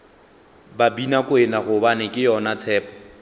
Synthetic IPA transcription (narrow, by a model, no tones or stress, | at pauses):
babinakʼwɪnaχʊbanɪkʼɪjɔnat͡sʰɛːpʼɔ